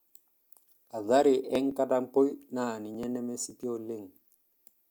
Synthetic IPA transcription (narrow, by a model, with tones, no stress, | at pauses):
a˨ða˦ɾɪ˨ʔɛ˦ŋka˦da˦m˦po˦i˦naː˦˨ni˨ɲɛ˦nɛ˦me˦si˦pi˦o˦le˦ŋ